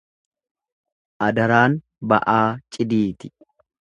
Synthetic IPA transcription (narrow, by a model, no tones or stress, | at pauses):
ʔɐd̪ɐɾaːn | bɐʔaːt͡ʃʼɪd̪iːt̪ɪ̥